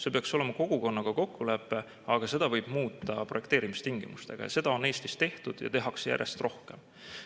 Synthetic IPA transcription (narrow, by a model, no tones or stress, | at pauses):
se̞pe̞ɑkso̞le̞mɑko̞ɡ̥uko̞nːɑɡ̥ɑko̞kːulæpːˑe̞ | ɑɡ̥ɑse̞d̪̥ɑvɤjb̥muːt̪ːˑɑprojkt̪e̞ːɾimist̪iŋɡ̥imust̪e̞ɡ̥ɑ̰jɑ̰se̞d̪̥ɑo̞ne̞ːst̪i̥st̪e̞ht̪ud̪̥jɑ̰t̪e̞ɦɑksjæ̰ɾjest̪ro̞hke̞̰m